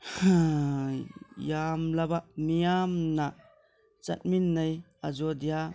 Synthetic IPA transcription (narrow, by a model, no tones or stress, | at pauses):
ha | jamlabamijamna | t͡ʃɐ̰t̚minːaj | a̰zɔdija